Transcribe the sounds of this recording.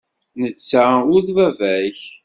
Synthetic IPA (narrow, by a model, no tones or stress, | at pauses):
nət͡sːaʊðvævæç